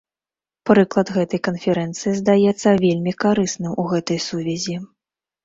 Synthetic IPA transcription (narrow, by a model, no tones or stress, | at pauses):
pɾɨklˠɐd̪ɣɛt̪ɐjkɐnfʲɛɾɛnt̪sɨjizd̪ajɛt̪sːɐvʲelʲmʲikaɾɨsnɨmuɣɛt̪ɐjsuvʲɛzʲi